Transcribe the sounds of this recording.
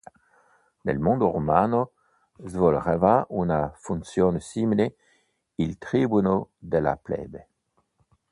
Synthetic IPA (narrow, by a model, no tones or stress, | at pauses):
nḛlmõnd̪oʁomano | zvɔlʁevaunafunsjonsimile | ilt̪ʁibunod̪ela̰plɛ̰be